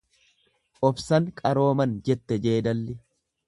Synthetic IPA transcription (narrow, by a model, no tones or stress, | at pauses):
ʔɔbsɐŋkʼɐɾo̞ːmɐnd͡ʒɛt̪ːɛd͡ʒe̞ːd̪ɐlːɪ